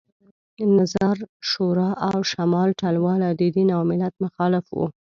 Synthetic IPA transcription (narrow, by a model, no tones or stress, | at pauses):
nazaɾʃoɾɑʔawʃamɑlʈalwɑlad̪əd̪inawmɪlat̪̚mʊxɑlɪfwṵ